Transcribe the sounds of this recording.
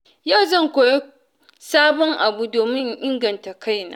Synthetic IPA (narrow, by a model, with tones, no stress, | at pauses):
jaː˦˨zɐ˦˨ŋkʷoː˨je˦ | saː˦bɔ˦ŋʔa˨bu˦doː˨mɪ˦ŋʔɪ˦ŋɡɐ˨nta˨kʰa˦˨jna̰ː˦